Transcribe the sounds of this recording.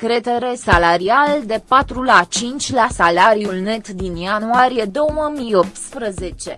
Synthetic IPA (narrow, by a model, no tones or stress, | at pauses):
kɾe̞t̪e̞ɾe̞salaɾiald̪e̞pat̪ɾulat͡ʃint͡ʃʲlasalaɾijulne̞t̪d̪injanuaɾije̞d̪o̞wəmijo̞p̚t̪spɾəze̞t͡ʃe̞